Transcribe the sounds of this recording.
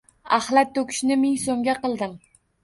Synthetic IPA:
ahlˠat̪̚ːokʲʰɪ̥ʃnɪmɪŋsomɡʲaqɨlˠd̪ɪm

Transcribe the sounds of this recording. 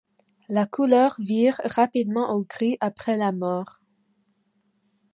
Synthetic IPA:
lakulœʁviʁʁapid̪mɑ̃ʔokʁiʔapχɛlamɔːʁ

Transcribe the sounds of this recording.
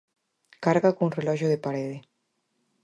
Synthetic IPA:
kaɾɣakuŋrelɔʒoðepaɾeðe

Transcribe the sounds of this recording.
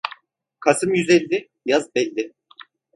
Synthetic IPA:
kʰasɯmjyzɛlʲd̪ʲɪ | jazbɛlʲːɪ

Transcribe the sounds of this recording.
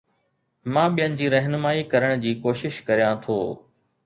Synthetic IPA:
mãːɓijənɪ̆d͡ʑiːɾɐɦnmaːikɐɾəɽ̃d͡ʑiːkoːʃɪʃkɐɾijãt̪ʰo̰ː

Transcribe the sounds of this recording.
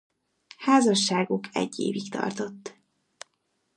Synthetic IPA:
haːzɒʃːaːɡukʰɛ̰ɟːḛːvikt̪ɒ̰rt̪o̞t̪ː

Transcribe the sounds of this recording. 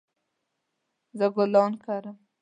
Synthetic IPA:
zəɡʊlɑnkʰaɾəm

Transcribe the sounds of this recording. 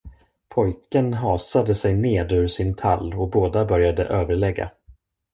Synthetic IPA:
pʰɔjkənɦɑːsad̪əsɛjneːd̪ʉːʂɪnt̪ʰalːɔboːd̪abœɾjad̪ə̰ʔøːvəɭɛɡːa̰

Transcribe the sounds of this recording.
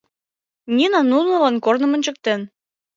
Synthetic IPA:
nʲinɑnulˠnəlɑnkornə̆mə̆nʲt͡ɕə̆k̚t̪en

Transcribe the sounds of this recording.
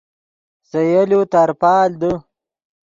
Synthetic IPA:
sɐjɐlut̪aɾpaːld̪ə

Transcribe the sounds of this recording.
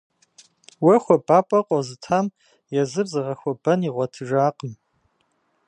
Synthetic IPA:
wɐxʷɔbʼaːpʼɐqʷʼɔzɨtʰaːm | jɛzɨrzɨʁɐxʷɔbɐniʁʷɔtʰɨʒaːqʼəm

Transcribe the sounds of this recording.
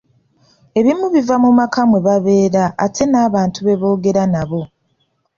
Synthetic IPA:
e̞βimuβivamumakʰamweβaβe̞ːɾaːtʰe̞naːβaːntuβe̞βo̞ːɡe̞ɾanaβo̞

